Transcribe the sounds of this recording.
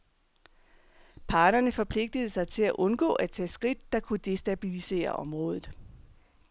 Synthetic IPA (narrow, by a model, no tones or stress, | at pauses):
pʰɑ̈ːd̥ɐnəfɒ̽pʰle̝ɡ̥̚d̥əð̞̩ˠsɑ̈ɪt͡sʰe̝læʔɔ̽nɡ̥ɔ̰̽ːæt͡sʰɛ̰ːsɡ̥ʁid̥̚ːɑ̈kʰud̥e̝sd̥æb̥ilise̝̰ːɐ̰ʔɒ̽mʁɔ̽ːð̞ˠð̩ˠ